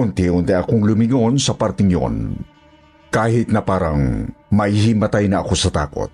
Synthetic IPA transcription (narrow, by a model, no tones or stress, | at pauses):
ʊnt̪iʔʊnt̪ɪʔɐkoŋlʊmɪŋo̞nsɐpaɾt̪ɪŋjo̰n | kaːhɪt̪̚nɐpaːɾɐŋmɐhimɐt̪ajnɐʔɐko̞sɐt̪a̰ːko̰t̪̚